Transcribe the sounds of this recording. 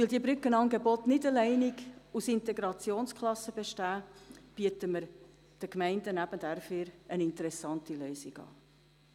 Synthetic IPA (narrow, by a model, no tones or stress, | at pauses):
ʋɪld̪iəbɾʏkənɑŋɡebɔtnɪdəlɛɪniɡusɪnteɡɾɑt͡sjoːnskʰχlɑsəb̥eʃtæːb̥iətəməɾ | d̥əkmɛɪndənæbənd̥æɾfɪɾənɪntəɾɛsɑntilœːsiɡ̥ɑ̰ː